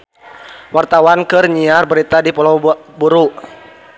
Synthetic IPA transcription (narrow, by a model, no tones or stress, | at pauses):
wart̪awankɨrɲiarbəɾit̪adipɔlɔbuɾuʔ